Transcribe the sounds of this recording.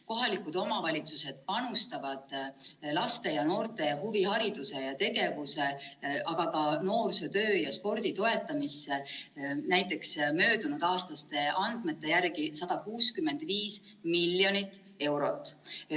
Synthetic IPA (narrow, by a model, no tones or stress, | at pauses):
ko̞ɦɑlikˑud̪̥o̞mɑvɑlʲit̪suse̞d̪̥̚pɑnust̪ɑvɑd̪̥lɑst̪e̞jɑno̞ːrt̪e̞jɑhuvihɑɾid̪̥use̞jɑt̪e̞ɡe̞vuse̞ʔɑɡ̥ɑkɑno̞ːrset̪ø̞ːjɑspo̞rd̪̥it̪o̞e̞t̪ːˑɑmisːe̞næjt̪ːˑe̞ksmø̞ːd̪unud̪̥ɑːst̪ɑst̪e̞ʔɑnd̪̥me̞t̪ːe̞jærɡisɑd̪̥ɑkuːskymːe̞nd̪̥viːsmilːjo̞nit̪ːˑ | e̞wɾo̞t̪ːˑ